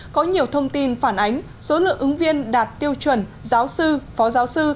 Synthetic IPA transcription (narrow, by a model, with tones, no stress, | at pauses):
kɔ˨˦ɲi˨˩əwt̪ʰə˧wŋ͡mt̪i˧nfaː˧˩nʔa˨˦jŋ̟ | so˨˦lɨ̰˧˨əŋʔɨ˨˦ŋvi˧ənɗaː˨˩t̚t̪i˧əwt͡ɕwə˧˩nzaː˨˦wsɨ˧fɔ˨˦zaː˨˦wsɨ˧